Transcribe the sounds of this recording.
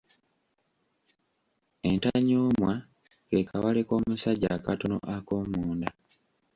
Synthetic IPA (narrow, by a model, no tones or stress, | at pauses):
entaɲoːmwa | kekʰawaleko̞ːmusaɟakatono̰ʔakoːmuːnda